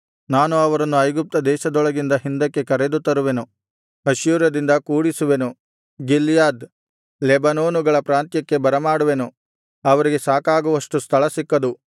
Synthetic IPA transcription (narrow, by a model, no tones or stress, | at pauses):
naːnuɐʋɐɾɐnːuɐjɡup̚t̪ɐd̪ɛːʃɐd̪ɔɭɐɡind̪ɐɦind̪ɐkːe̞kɐɾed̪ut̪ːɐɾuʋe̞nu | ɐʃjuːɾɐd̪ind̪ɐkuːɽisuʋe̞nu | ɡilːjaːd̪ | lɛbɐnoːnuɡɐɭɐpɾaːnt̪jɐkːe̞bɐɾɐmaːɽuʋe̞nu | ɐʋɐɾiɡe̞saːkaːɡuʋɐʂʈust̪ʰɐɭɐsikːɐd̪u